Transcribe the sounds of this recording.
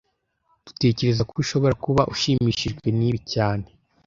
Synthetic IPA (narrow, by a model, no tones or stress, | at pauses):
d̥u̥te̞ːce̞ɾe̞zakuβiʃo̞βo̞ɾakuβaʔuʃiːmiːʃiʒɡwe̞niːβicaːne̞